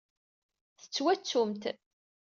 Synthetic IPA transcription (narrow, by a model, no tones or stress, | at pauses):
θə̥t͡sːwæt͡sːʊmt̪